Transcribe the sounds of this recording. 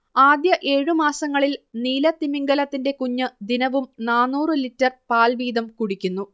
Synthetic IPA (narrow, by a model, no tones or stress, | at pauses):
aːd̪jɐʔe̞ːɻumaːsɐŋːɐɭilniːlɐt̪imiŋɡɐlɐt̪ːinde̞kuɲːɨd̪inɐʋumnaːnːuːrɨlitːɐrpaːlʋiːd̪ɐmkuɽikʲːunːu